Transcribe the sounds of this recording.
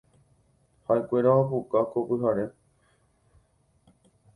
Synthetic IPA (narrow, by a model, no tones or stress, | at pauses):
haekʷeɾaopukakopɨɦaɾe